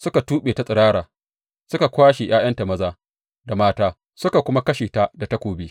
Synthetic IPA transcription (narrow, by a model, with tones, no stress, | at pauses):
sʊ˦ka˨tuː˦ɓeː˨ta˦sʼɪ˨ɽaː˦ɽaː˨ | sʊ˦ka˨kʷaː˦ʃe˨j̰aː˦jɐ˦nta˨mɐ˦zaː˦ | da˨maː˦taː˦ | sʊ˦ka˨kʷʊ˦ma˦kɐ˦ʃeː˨ta˦da˨ta˦kʷoː˨biː˦